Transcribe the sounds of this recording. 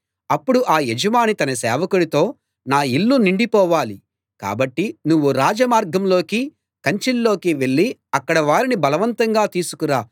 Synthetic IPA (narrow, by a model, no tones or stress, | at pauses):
ɐpːuɽuʔaːjed͡ʒɐmaːnit̪ɐnɐsɛːʋɐkuɽit̪o̞ː | naːilːuniɳɖipɔːʋaːli | ka̰ːbɐʈːinuʋːuɾaːd͡ʒɐmaːɾɡɐmlo̞ːki | kɐɲt͡ʃilːo̞ːkiʋe̞ɭːiɐkːɐɽɐʋaːɾinibɐlɐʋɐnt̪ɐŋɡaːt̪iːsu̥kuɾaː